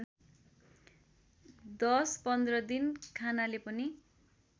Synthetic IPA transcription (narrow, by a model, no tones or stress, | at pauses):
d̪ʌspʌnd̪rʌd̪inkʰanalepʌni